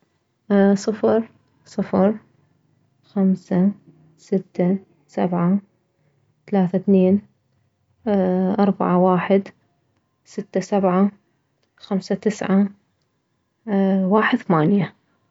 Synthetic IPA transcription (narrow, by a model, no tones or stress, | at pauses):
sˤɨfɾˤ | sˤɨfɾ | xamsa | sɪt̪ːa | sabʕa | θalaːθaθneːn | ʔɑɾˤba̰ʕawaːħɪd̪ | sɪt̪ːasabʕa | xamsat̪ɪsʕa | waːħɪd̪θamaːnja